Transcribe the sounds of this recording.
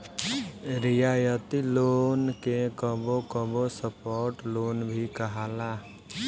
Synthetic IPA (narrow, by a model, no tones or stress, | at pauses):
ɾɪjaːjət̪iloːnkekəbokəbosəpoːɾʈloːnbʱikəɦaːla